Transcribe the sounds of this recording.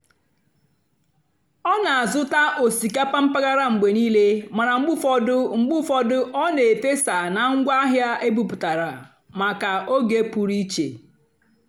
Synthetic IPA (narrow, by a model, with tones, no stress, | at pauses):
ɔ˦na˨a˨zʊ˦ta˦ʔo˨si˨ka˦pa˦m̩˦pa˦ɡa˦ɾa˦ŋ͡m̩˨ɡ͡be˨niː˦le˦ma˨ɾa˨ŋ͡m̩˦ɡ͡bʊ˦fɔ˦dʊ˦ŋ͡m̩˨ɡ͡bʊ˦fɔ˦dʊ˦ʔɔ˦ne˨te˦sa˨na˨ŋ̩˦ɡʷa˦ɦja˦ʔe˦bu˦pʊ˨ta˨ɾa˨ | ma˨ka˨ʔo˦ɡe˦pu˨ɾi˦t͡ʃḛ˨